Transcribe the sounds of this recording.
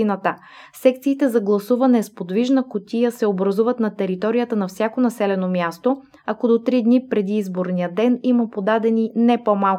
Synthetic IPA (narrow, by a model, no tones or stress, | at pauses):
inət̪ə | sɛkt̪siːt̪ɛzɐɡlˠɐsuvɐnɛspod̪viʒnəkot̪ʲijəsɛobɾɐzuvət̪nɐt̪ɛɾit̪ɔɾijət̪ənɐfsʲjakonɐsɛlɛnomjast̪o | ɐkod̪ot̪ɾid̪nipɾɛd̪iːzboɾnijəd̪ɛniməpod̪ad̪ɛninɛpomalˠ